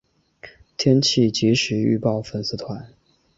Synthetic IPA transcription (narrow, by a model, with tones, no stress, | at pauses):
t̪ʰjɛ˥nt͡ɕʰi˥˩t͡ɕi˧˥ʂɻ̩˧˥˦y̰˥˧pɑ˥˩ʊfə˥˩ns̩˥t̪ʰwa˧˥˦n